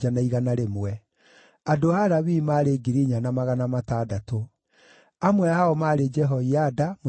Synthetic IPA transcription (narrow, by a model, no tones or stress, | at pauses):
anaiɣanaɾemwɛ | adoaɾawimaːɾeɡiɾiɲanamaɣanamataːdato | amwɛaɔmaːɾed͡ʒɛɦɔiadamo